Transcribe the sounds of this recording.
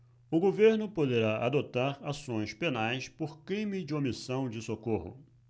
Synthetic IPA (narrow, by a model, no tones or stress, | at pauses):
ʊɡoveɾnʊpod̪eɾaʔad̪ot̪aɾasõj̃spenajspoɾkɾĩmid͡ʒɪomisɐ̃w̃d͡ʒɪsokohʊ̰